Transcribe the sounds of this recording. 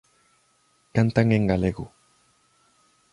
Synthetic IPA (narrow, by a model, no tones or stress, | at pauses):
kant̪aŋɡeŋɡaleɣu